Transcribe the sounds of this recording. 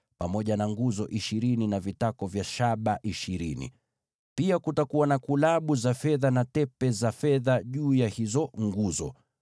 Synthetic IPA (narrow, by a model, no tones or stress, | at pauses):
pamɔʄanaŋɡuzɔʔiʃiɾininavitakɔvjaʃaɓaʔiʃiɾinḭ | piakutakuwanakulaɓuzafɛðanatɛpɛzafɛðaʄuːjahizɔŋɡuzɔ̰